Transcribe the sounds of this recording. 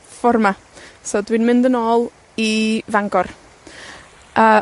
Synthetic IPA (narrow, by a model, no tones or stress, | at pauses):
fɔrma | soːdwinmɪndənoːlˠ | ivaŋɡɔr | əː